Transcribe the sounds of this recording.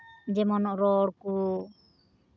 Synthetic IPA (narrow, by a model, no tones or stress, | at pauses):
d͡ʒɛmɔnɔʔɾɔɽku